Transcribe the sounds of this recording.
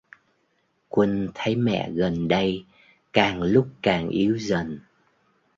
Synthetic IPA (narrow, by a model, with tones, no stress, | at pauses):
kwə˧nt̪ʰə˨˦jmɛ̰˧˨ɣə˨˩nɗə˧j | kaː˨˩ŋlʊ˦˥k͡p̚kaː˨˩ŋʔi˨˦əwzə˨˩n